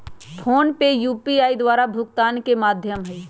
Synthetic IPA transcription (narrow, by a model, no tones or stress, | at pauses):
pʰoːnpejuːpiaːid̪waːɾabʱʊɡt̪aːnkemaːd̪ʱjəmɦɛi